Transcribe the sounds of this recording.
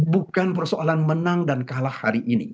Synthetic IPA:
bukanpərsoalanmənaŋdankalahːaɾiʔinḭ

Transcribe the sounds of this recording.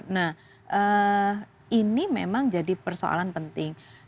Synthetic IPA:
nah | ʔə | ʔinimemaŋd͡ʒadipərso̰a̰lanpənt̪ɪŋ

